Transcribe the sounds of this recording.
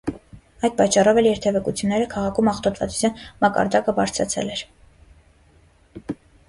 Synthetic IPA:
ɑjd̪̚pɑt͡ʃːɑrɔvɛljɛɾt̪ʰɛvɛkut͡sʰjunːɛɾəkʰɑʁɑkʰumɑχt̪ɔt̪ʰvɑt͡su̥t͡sʰjɑnmɑkɑ̰ɾd̪ɑkəbɑɾt͡sʰɾɑ̰t͡sʰɛ̰lɛɾ

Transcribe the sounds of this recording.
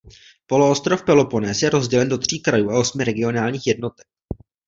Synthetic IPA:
po̞loost̪ɾo̞fpɛlo̞po̞nɛːsjɛɾo̞zɟɛlɛndo̞t̪r̝̥iːkɾajuːao̞smɪɾɛɡɪo̞naːlɲiːxjɛdno̞t̪ɛk̚

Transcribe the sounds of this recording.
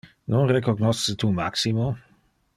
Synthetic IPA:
nonrekoɡnɔsət̪uma̰ksimo

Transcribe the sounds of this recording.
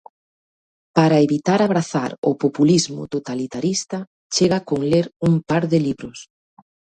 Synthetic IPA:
paɾaeβit̪aɾaβ̞ɾaθaɾʊpopulizmʊ̰t̪ot̪alit̪aɾist̪a | t͡ʃeɣakoŋleɾuŋpaɾðɪliβɾʊs

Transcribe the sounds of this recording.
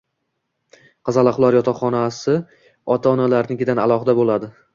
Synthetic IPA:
qʰɑzalˠaχlˠɒɾjɒt̪ʰaχɒnasɪ | ɒt̪ʰaɒnalaɾnɪɡʲɪd̪analˠɒχɪd̪abolad̪ɪ

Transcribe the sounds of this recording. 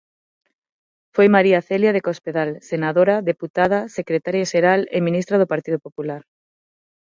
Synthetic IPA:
fojmaɾiaθeljað̞ekospeðalsenaðoɾaðeput̪að̞asekɾet̪aɾjaʃeɾalemĩnist̪ɾað̞opaɾt̪iðopopulaɾ

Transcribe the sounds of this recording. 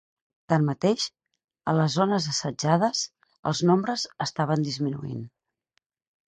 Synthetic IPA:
t̪anmət̪eʃ | ə̰ləzːonəzəsəd͡ʒaðəz | ə̰lˠznombɾəzəst̪aβənd̪izminṵḭn

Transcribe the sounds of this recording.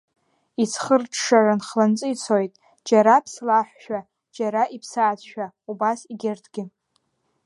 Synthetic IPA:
it͡sʰχərʈ͡ʂʰʂaranχlant͡sʼɨit͡sʰojtʼ | d͡ʒaɾapʰslaħʷᶣʃᶣa | d͡ʒaɾaʔipʰsaʕːt͡sʰʃᶣa | ubasiɡʲɪrtʰɡʲɪ

